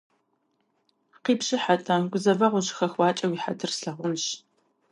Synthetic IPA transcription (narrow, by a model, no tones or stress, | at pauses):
qiːpɕɪħatʼɐɡʷʊzɐvɐʁʷʊʑxɐxwɑːt͡ʃʼɐwiːħatʰɨrsɬɐʁʷʊmɕ